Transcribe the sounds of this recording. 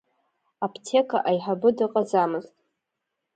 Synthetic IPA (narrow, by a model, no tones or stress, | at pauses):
apʰtʰe̞kʰa̰ʔajħabɨdɨqʼazamɨztʼ